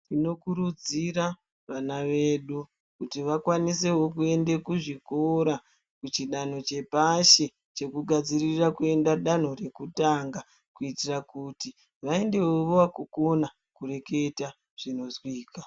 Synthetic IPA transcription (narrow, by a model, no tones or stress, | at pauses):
tino̞kuɾud͡zira | ʋanaʋe̞ɗu | kutiʋakwanise̞wo̞kue̞nde̞kuʐikoɾa | kut͡ʃiɗan̤o̞t͡ʃe̞paʃe̞ | t͡ʃe̞kuɡʱad͡zirirakue̞ndaɗan̤o̞re̞kutaŋɡa | kuitirakuti | ʋae̞nde̞woʋowakuko̞na | kure̞ke̞ta | ʐ̥ino̞zwiːka